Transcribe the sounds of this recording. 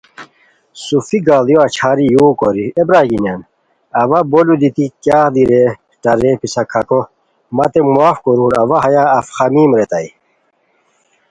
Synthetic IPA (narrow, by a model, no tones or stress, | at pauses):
sufiɡaːlijoɐt͡ɕʰaːɾijuːkoɾiebɾaːɡinɐn | ɐʋɐbolud̪it̪ikjaːd̪iɾe | ʈɐɾepisɐkʰɐko | mɐt̪emuaːfkoɾuːɾɐwaɦɐjaːfxɐmiːmɾet̪ɐi